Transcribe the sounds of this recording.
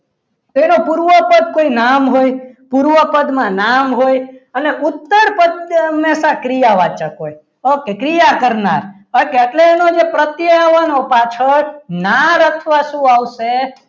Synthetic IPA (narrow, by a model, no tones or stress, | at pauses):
t̪oenopuɾʋəpəd̪̚koinamɦojpuɾʋəpəd̪mãnamɦojəneut̪ːəɾpət̪mɛsakɾijaʋat͡ʃəkoj | okekɾijakəɾna̰ɾ | əkeeʈleːnod͡ʒepɾət̪jəjaʋanopat͡ʃʰənaɾəkʰʋaʃũaʋʃe